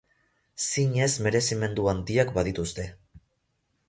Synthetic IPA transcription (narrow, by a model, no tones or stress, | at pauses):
siɲe̞zme̞ɾe̞sime̞nd̪uand̪iakbaðit̪ust̪e̞